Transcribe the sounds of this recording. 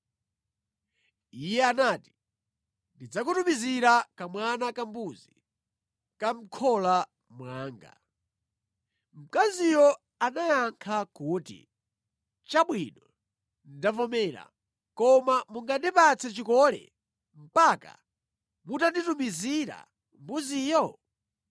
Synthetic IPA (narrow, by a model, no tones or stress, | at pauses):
ijɛanaːti̥ | ndid͡zakutumiziɾakamwanakambuzi | kam̩kʰɔla | mwaːŋɡa̰ | m̩kazijɔ | anajaŋkʰakuːtḭ | t͡ʃaɓwinɔ | ndavɔmɛːɾa̰ | kɔmamuŋɡandipat͡sʰɛt͡ʃikɔlɛ̰ | m̩paka̰ | mutanditumiziɾa̰ | mbuziːjɔ